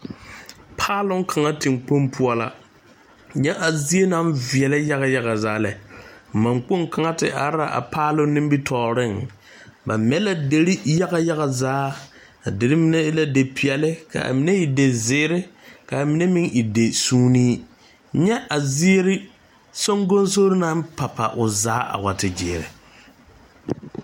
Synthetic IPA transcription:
pʰaː˦lʊ˦ŋ˦kʰa˨ŋa˦tɪ˨ŋk͡po˦mpʰʊ˦ɔ˦la̰˦ | ɲɛ˦ʔa˨zi˦e˦na˦mvi˨ɛ˨la˦ja˦ɣa˨ja˦ɣa˨zaː˨˦lɛ˨ma˨ŋk͡po˦ŋka˨ŋa˦tɪ̰˨ʔa˨ɾa̰˨ʔa̰˨pʰaː˦lʊ˦nɪ˦mbi˦tʰɔː˨ɾɪ˦˨ŋ | ba̰˨mɛ˨˦la˦de˨ɾi˦ja˦ɣa˨ja˦ɣa˨zaː˦ | a˨dɪ˨ɾɪ˦mɪ˦nɛ˦la˨de˨pʰi˨ɛ˨lɪ˦ka̰˨ʔa̰˨mi˨˦ne˦ɪ˨de˨zɪː˦ɾɪ˦ka˨a˨mi˨ne˦mɪ˦ŋi˨de˨suː˦niː˦ | ɲɛ˦ʔa˨zɪ˦e˦ɾɪ˦ | so˦ŋɡo˦nso˦ɾɪ˦na˦mpa˨pa̰˨ʔʊ˨zaː˦ʔa̰˨wa˨tɪ˨d͡ʒɪ̰ː˨ɾɪ̰˨

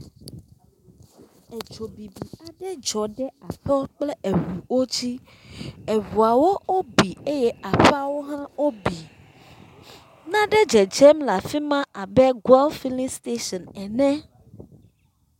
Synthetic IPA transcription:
e˨d͡ʒo˨bi˨bi˨a˨ɖɛ˦d͡ʒɔ˨ɖɛ˦a˨t̪ɔ˦k͡plɛ˦e˨ɦu˨wo˦d͡ʑi˦ | e˨βu˨a˨wo˦o˦bi˨e˦jɛ˦a˨ɸa˦wo˦ɦã˦wo˦bi˨ | nã˦ɖɛ˦d͡ʒɛ˨d͡ʒɛ˦mla˨fi˦mã˦ʔa˨bɛ˦ɡwɛ˦lfi˦lĩ˦st̪e˦ʃɔ˨nɛ˨nɛ̃˦

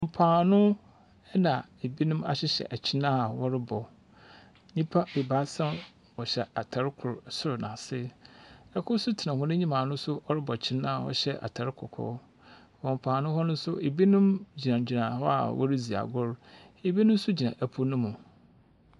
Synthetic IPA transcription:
ɔ˨m̩˨pʰãː˨nʊ̃˦ | ɛ˦nã˨e˨bi˦nʊ̃˦ma̰˨ɕɪ˦ɕɛ̰˨ʔa˨t͡ɕʰɪ˦nã˦˨wɔ˦ɾɪ˦bɔ˨ | ɲĩ˦pʰa˦e˨ba˦sã˦n | wɔ˨ɕɛ˨a˨tʰa˨ɾɪ˦kʰʊ˨ɾsʊ˦ɾʊ˨nã˨sɪ˦ | ɛ˦kʰʊ˦sʊ˦tʰɪ˨nã˨hʊ̃˦nʊ̃˦ɲĩ˦mãː˨nʊ̃˦sʊ˦ɔ˦ɾɪ˦bɔ˨t͡ɕʰɪ˦nã˦a˨wɔ̰˨ɕɛ˦ʔa̰˨tʰa˨ɾɪ˦kʰɔ̰˨kʰɔ̰˦ | wɔ̃˨m˨pʰãː˨nʊ̃˦hɔ˦nʊ̃˦n˦sʊ˦ʔe˨bi˦nʊ̃˦md͡ʑi˨nã˨d͡ʑᶣi˨nã˨hɔ˦a̰˨wʔɔ̰˦ɾi˦d͡zi˨a̰˨ɡʊ˦ɾ | e˨bi˦nʊ̃˦m˦sʊ˦d͡ʑi˨nã̰˨ʔæ˨pʰʊ˦nʊ̃˦mũ˨

